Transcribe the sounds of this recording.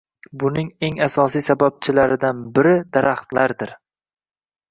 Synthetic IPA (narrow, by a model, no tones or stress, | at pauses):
bʊnɪŋe̞ŋasɒsijsabab̚t͡ʃʰɪlaɾɪd̪anbɪɾɪd̪aɾaχt̪laɾd̪ɪɾ